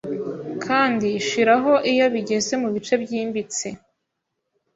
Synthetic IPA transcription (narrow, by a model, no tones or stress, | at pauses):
kʰaːndiːʃiɾaɦo̞ʔijaβiɟe̞ze̞muβit͡ʃe̞bɟiːmbit͡se